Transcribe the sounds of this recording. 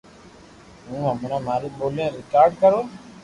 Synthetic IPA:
ɦũːəmʊnãːmaːɾeɓoːlẽːɾɪkaːɾɖ̚kəɾoː

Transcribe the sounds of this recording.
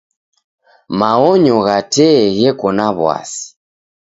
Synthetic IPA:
maɔɲɔɣatɛɣɛkɔnaβwa̰si̥

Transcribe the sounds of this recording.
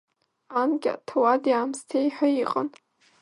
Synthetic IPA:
anɡʲa̰tʰawadjaːmstʰejħʷaiqʼən

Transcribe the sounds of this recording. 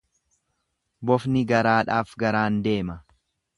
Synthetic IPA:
bɔfnɪɡɐɾaːᶑaːfɡɐɾaːnd̪e̞ːmɐ

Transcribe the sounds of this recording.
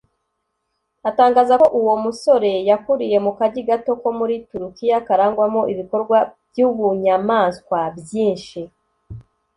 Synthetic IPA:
ataːŋɡaːzakoʔuwo̞muso̞ɾe̞jakuɾije̞mukaɟiɡato̞ko̞muɾituɾukijakaɾaːŋɡwamo̞ʔiβiko̞ɾɡwabjuβuɲamaːnskwabjiːnʃi

